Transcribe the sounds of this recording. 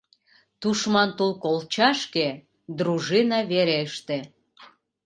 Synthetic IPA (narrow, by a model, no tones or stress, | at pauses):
t̪uʃmɑnt̪ulkolt͡ɕɑʃke | d̪ɾuʒinɑβeɾeəʃt̪e